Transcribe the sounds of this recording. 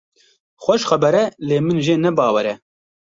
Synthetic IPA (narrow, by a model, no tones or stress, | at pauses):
xʷɛʃχɛbɛɾɛleːmɨnʒeːnɛbɑːwɛɾɛ